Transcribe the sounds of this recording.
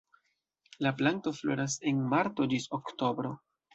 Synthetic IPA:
laplanto̞flo̰ɾas̬e̞nmaɾto̞d͡ʒisokto̞bɾo̞

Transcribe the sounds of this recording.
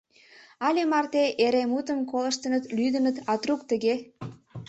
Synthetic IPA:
ɑlʲemɑrt̪eʔeɾemut̪əmkolə̆ʃt̪ə̆nət̪lyd̪ənət̪ɑt̪ruk̚t̪əɣe

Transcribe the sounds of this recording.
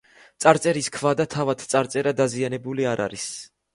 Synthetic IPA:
t̪sʼaɾt̪sʼɛɾiskʰvad̪at̪ʰavat̪ʰt̪sʼaɾt̪sʼɛɾad̪azianɛbuliaɾa̰ɾis

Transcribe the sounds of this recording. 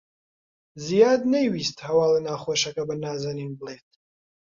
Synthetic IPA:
zijaːd̪nejwiːst̪hɐwaːlenaːχweːʃɐkɐbənaːzaninbəlˠeːt̪̚ʰ

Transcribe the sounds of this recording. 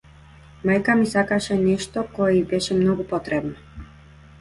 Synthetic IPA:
majkamisakaʃɛnɛʃt̪okojeibɛʃɛmnoɡupot̪ɾɛbnɔ

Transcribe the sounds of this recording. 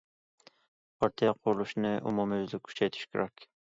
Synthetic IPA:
pʰɑɾt̪ʰijɑqʰʊɾlˠuʃnɨʔṵmumøzlykʲkʰy̥t͡ʃʰɛjt̪ʰy̥ʃkʲɪɾɛkʲ

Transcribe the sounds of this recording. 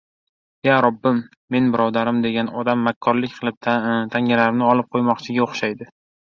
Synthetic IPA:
jaɾɒbːɪmː | e̞nbɪɾɒd̪aɾɪmd̪e̞ɡʲanɒd̪amːakʲʰːɒɾlɪkʲqʰɨlˠɪp̚t̪ʰt̪ʰaŋʲalaɾɪmnɪɒlˠɪp̚qʰojmɒqt͡ʃʰɪɡʲaoχʃajd̪ɪ

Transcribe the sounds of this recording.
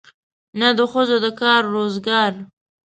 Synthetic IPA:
nad̪əxəzod̪əkɑɾːozɡɑɾ

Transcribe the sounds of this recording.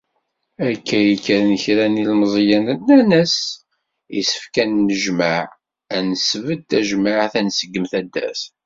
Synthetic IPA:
ækːæjəkːəɾnəçɾænilməzˤjænnænəs | ḭsə̥fkænːəʒmaʕ | ænəsvəd̪̚t̪æʒmaʕθænsəɡːəmθæd̪ːæ̰s

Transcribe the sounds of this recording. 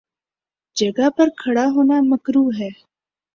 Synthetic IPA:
d͡ʒɐɡapɐɾkʰɐɽaɦoːnamɐkɾuːɦɛː

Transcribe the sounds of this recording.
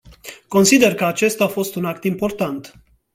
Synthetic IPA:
ko̞nsid̪e̞rkəat͡ʃe̞st̪afo̞st̪unakt̪impo̞rt̪ant̪

